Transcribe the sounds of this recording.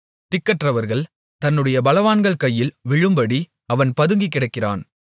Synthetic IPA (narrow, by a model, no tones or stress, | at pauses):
t̪ɪkːɐʈrɐʋɐɾɣɐɭ | t̪ɐnːɯɽɐjɐbɐlɐʋaːnɡɐɭkɐjːɪlʋɪɻɯmbɐɽi | ɐʋɐnpɐðɯŋɡikːɪɽɐɪkːɪra̰ːn